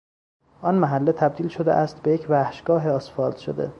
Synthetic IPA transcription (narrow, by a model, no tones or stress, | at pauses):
ʔɒːnmæɦælːet̪ʰæb̚d̪iːlʃod̪eʔæst̪̚bejecʰvæhʃɡ̥ɒːɦeɒːsfɒːld̪̥ʃod̪e̞̰